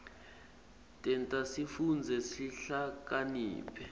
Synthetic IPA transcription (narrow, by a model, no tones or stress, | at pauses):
tʼɛntʼasifund͡zʱɛsiɬak̬ʼanḭːpʰʼɛ